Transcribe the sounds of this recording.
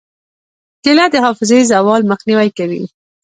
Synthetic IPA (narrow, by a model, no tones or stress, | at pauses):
kɪlad̪əhɑfɪzaizawɑlmaxniwajkawḭ